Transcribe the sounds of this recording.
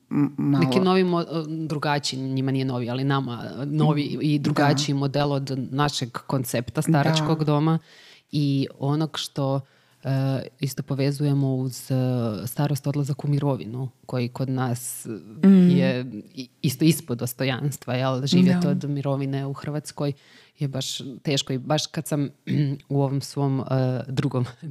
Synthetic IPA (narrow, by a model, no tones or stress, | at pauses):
manekino̞ʋimod̪ɾuɡat͡ɕiiɲimanije̞no̞ʋialinama̰no̞ʋiid̪ɾuɡat͡ʃiimo̞d̪elod̪naʃe̞ɡːont̪sept̪ast̪aɾat͡ʃko̞ɡd̪o̞maio̞noɡʃt̪o̞ | ist̪o̞po̞ʋe̞zuje̞mo̞uz̥st̪aːɾost̪o̞d̪lazakumiɾo̞ʋḭnuko̞jiko̞d̪naːs | je | ist̪oispod̪ːost̪o̞janst̪ʋajɛlˠʒiːʋjet̪eod̪miɾo̞ʋine̞uxr̩ʋat̪sko̞j | jebaʃt̪e̞ːʃkoibaʃkad̪samuo̞ʋomsʋo̞md̪ɾuɡo̞m